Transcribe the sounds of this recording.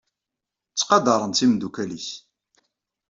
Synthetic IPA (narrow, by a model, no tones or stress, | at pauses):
t͡sːqɑd̪ɑɾˤənt̪imd̪ukælis